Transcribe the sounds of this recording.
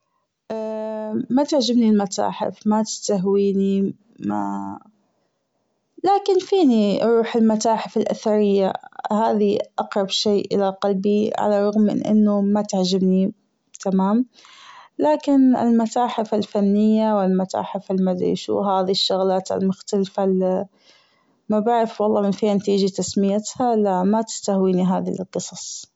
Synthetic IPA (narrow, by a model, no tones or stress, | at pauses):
ʔamat̪ɪʕd͡ʒɪbnilmat̪a̰ːħɪ̰fmat̪ɪ̥st̪aɦwiːni | ma̰ | laːkɪnfiːniɾˤuːħɪlmat̪aːħɪfɪlʔaθaɾɪjːa̰haːðiʔɑqɾˤɑbʃeːʔʔɪ̰laqalbiʕa̰larˤɑɣmːɪ̰nʔɪ̰nːʊmat̪aʕd͡ʒabni | t̪ʰamaːm | laːkɪnɪ̰lmat̪aːħɪfalfanːɪjːawɪlmat̪a̰ːħɪfɪlmad̪ɾḭʃṵɦaːðiʃːʊɣlaːt̪ɪ̰lmʊxt̪alfal | mabaʕɾɪfwɑlˤːɑːmɪnfiːhanat̪iːd͡ʒat̪asmɪjat̪halamat̪ɪ̥st̪ahwiːniɦaːðḭlqɨsˤɑsˤ